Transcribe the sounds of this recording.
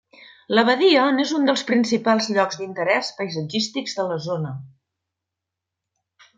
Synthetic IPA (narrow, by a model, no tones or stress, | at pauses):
ləβəðiɔnezund̪əlˠspɾinsipalˠzʎɔkzd̪int̪əɾɛspəjzəd͡ʒist̪iɡzðələzonə